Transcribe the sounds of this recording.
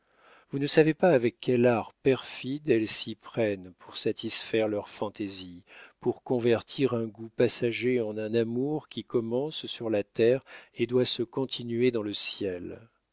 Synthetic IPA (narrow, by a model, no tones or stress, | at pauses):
vunəsavepaːvɛkʲːɛlaʁpɛʁfid̪ɛlsipχɛnpʰuʁsat̪ʰisfɛʁlœʁfɑ̃t̪ezipuʁkɔ̃vɛʁt̪ʰiʁɛ̃ɡupasaʒeɑ̃nɛ̃namuʁkʲikɔmɑ̃ssyʁlat̪ɛʁed̪wasəkɔ̃t̪ʰinɥed̪ɑ̃ləsjɛl